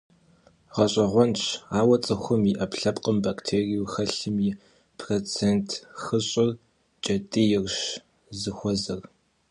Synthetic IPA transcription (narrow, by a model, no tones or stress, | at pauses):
ʁɐɕʼɐʁʷɔnʈ͡ʂaːwɐt͡sʼɨxʷʊmiʔɐpɬɐpqʼəmbaktʰeːriuxɐɬɨmiː | pʰroːt͡sʰeːntʰxɨɕʼɪr | t͡ʃʼɐtʼijɪrʃ | zɨxʷɔzɐr